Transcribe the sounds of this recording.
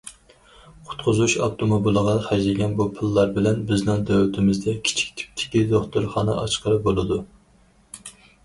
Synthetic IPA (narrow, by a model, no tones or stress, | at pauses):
qʰʊ̥t̪qʰʊzuʃɑft̪ʰomobilˠəʁɑχæd͡ʒlɪɡʲɛnbupʰɨlˠːɑɾbɪlɛnbɪznɪŋd̪øwyt̪ʰɪmɪzd̪ɛkʲʰi̥t͡ʃʰi̥kʲt̪ʰɪ̥p̚t̪ʰɪ̥kʲid̪oχt̪uɾχɑːnɨ̰ʔɑt͡ʃqəɾɨbolˠɨd̪u